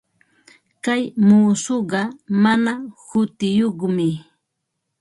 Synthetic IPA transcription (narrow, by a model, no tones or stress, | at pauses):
kajmuːsoɢɑmanahʊt̪ɪjoχmɪ